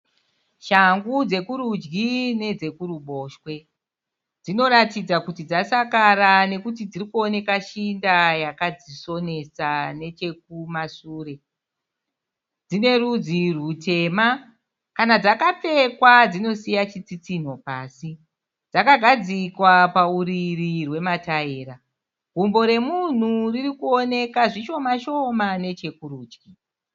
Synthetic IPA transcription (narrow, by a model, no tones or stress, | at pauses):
ʃaŋɡud͡ze̞kuɾud͡ʒɡine̞d͡ze̞kuɾuɓo̞ːʃwe̞ | d͡zino̞ɾatid͡zakutid͡zasakaɾane̞kut̬id͡zirikuo̞ne̞kaʃindajakad͡ziso̞ne̞sane̞t͡ʃe̞k̚umasuːre̞ | d͡zine̞rud͡zirute̞ma | kanad͡zakap͡fe̞kwad͡zino̞sijat͡ʃit͡sit͡sin̤o̞paːsi | d͡zakaɡʱad͡zikwapauɾirirwe̞mataeːɾa | ɡ̥ʱumbo̞ɾe̞mun̤uririkuo̞ne̞kaʐiʃo̞maʃo̞mane̞t͡ʃe̞kuɾuːt͡ʃki